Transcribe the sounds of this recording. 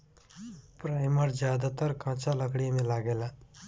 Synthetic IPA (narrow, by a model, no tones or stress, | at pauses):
pɾajməɾd͡ʒjad̪at̪əɾkãt͡ʃʰaləkɽiamẽlaːɡela